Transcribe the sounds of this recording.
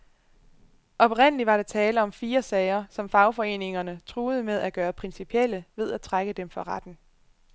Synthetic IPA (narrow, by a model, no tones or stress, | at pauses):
ʔɒ̽b̥ʁen̰əliʋɑ̈ɾ̥ɑt͡sʰɛːləɒ̽mfiːɐsɛɪɐsɒ̽mfɑ̈ʊfɒ̽e̝̰ːne̝ŋɐnət͡sʰʁuːð̞̩ˠəmeð̞ˠæɡ̥ɶːɐpʰʁinsipʰiel̰əʋe̝ð̞ˠæt͡sʰʁaɡ̥əd̥emfɒ̽ʁad̥n̩